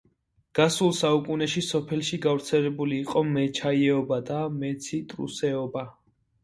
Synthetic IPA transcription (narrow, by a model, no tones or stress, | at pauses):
ɡ̥asulˠsaukʼunɛʃisɔpʰɛlˠʃiɡavɾt̪sʰɛlɛbuliːqʼɔmɛt͡ʃʰaiɛɔbad̪amɛt̪sʰit̪ʼɾṵsɛɔba